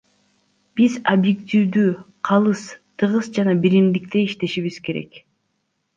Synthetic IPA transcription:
b̥izobjekt̪ʲiwd̪yː | qʰɑlˠɯst̪ʰɯʁɯsd͡ʒɑnɑbiɾimd̪ik̚t̪e̞iʃt̪e̞ʃiβiz̥ke̞ɾḛk

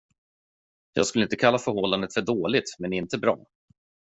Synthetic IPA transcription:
jɑ̰ːɡskɵlːəɪnt̪əkʰalːafœɾhɔlːand̪ət̪fœɖoːlɪt̪mɛnɪnt̪əbɾɑ̰ː

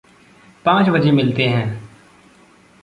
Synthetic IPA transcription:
pãːt͡ʃbɐd͡ʒemɪlt̪eɦɛ̃ː

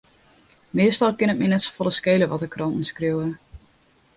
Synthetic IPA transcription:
mɪəstɔlˠkɪnət̚mɛnɛtsfɔlˠəskejləʋɔtəkrɔntn̩skriwə

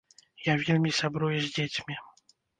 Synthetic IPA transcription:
javʲilʲmʲisabɾujʊzʲzʲdʲetʲmʲɪ

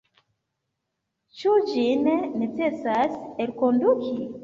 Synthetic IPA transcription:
t͡ʃuɟinenet͡sesaseɾikonduki

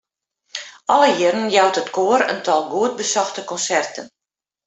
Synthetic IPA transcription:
ʔɔləjɪɾənjawtətkoəɾə̰ntɔlˠɡuəd̚bəsɔxtəkɔnsɛrtən

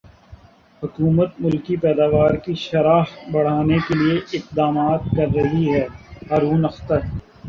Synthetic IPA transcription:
hʊkuːmət̪mʊlkipɛːd̪aːʋaːɾkiʃɐɾaːfbɐɽ̤aːnekelieʔɪqd̪aːmaːt̪̚kɐɾːɐɦiɦɛːɦaːɾuːnɐxt̪əɾ

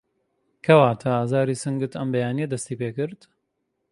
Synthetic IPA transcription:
kʰɐwaːt̪ʰaaːzaːɾiːsɨŋɡɨt̪ʰɐmbɐjaːnijɐd̪ɐst̪iːpeːkɨɾd̪

